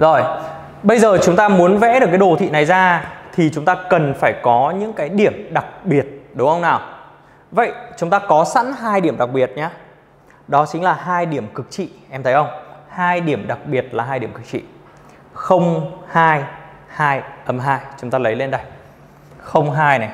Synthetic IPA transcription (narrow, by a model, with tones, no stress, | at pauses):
zo˨˩j | ɓə˧jzəː˨˩t͡ɕʊ˨˦ŋ͡mt̪aː˧mu˨˦ənvɛ̰˧˥ɗɨ˨˩kːɗo˨˩t̪ʰḭ˧˨na˨˩jzaː˧t̪ʰi˨˩t͡ɕʊ˨˦ŋ͡mt̪aː˧kə˨˩nfaː˧˩jkɔ˨˦ɲɨ̰˧˥ŋkaː˨˦jɗi˧˩əmɗa˨˩k̚ɓi˨˩ət̚ɗʊ˨˦ŋ͡mʔə˧wŋ͡mnaː˨˩w | və̰˧˨jt͡ɕʊ˨˦ŋ͡mt̪aː˧kɔ˨˦sa̰˧˥nɦaː˧jɗi˧˩əmɗa˨˩k̚ɓi˨˩ət̚ɲaː˨˧˦ | ɗɔ˨˦t͡ɕï˨˦ŋ̟laː˨˩ɦaː˧jɗi˧˩əmkɨ˨˩k̚t͡ɕḭ˧˨ʔɛ˧mt̪ʰə˨˦jʔə˧wŋ͡mhaː˧jɗi˧˩əmɗa˨˩k̚ɓi˨˩ət̚laː˨˩ɦaː˧jɗi˧˩əmŋkɨ˨˩k̚t͡ɕḭ˧˨ | xə˧wŋ͡mhaː˧j | haː˧jʔə˨˦mɦaː˧jt͡ɕʊ˨˦ŋ͡mt̪aː˧lə˨˦jle˧nɗa˨˩j | xə˧wŋ͡mɦaː˧jna˨˩j